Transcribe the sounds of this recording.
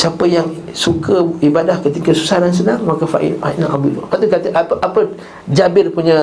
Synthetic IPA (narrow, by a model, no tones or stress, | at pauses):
siapəjaŋsukəibadahkət̪ikəsusaɾans̬ənaŋmakafa̰ʔḭa̰inãʔabulo̰paʔt̪ukat̪əʔapəʔapə | d͡ʒabɪrpuɲə̃